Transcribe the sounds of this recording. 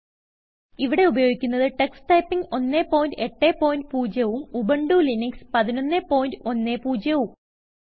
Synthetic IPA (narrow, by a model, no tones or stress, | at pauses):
iʋiɽe̞ubɐjoːɡikʲːunːɐðɨʈeksʈɐjpːiŋɡo̞nːe̞ːpːoːjindɨeʈːeːpːo̞ːjindɨpuːd͡ʑjɐʋumubɐɳɖuːlinikspɐðino̞nːepo̞ːjindɨo̞nːe̞ːpuːd͡ʑjɐʋum